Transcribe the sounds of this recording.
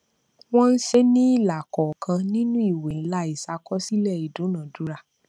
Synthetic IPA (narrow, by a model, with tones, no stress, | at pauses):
w̃ɔ̃˦n̩˦ʃe˦nĩ˦i˦˨la˨kɔ˨kʰã˧nĩ˦nũ˦i˦˨we˨n̩˦la˦i˨sa˧kɔ˦si˦lɛ˦˨i˨dũ˨˦nã˨du˨˦ɾa˧˨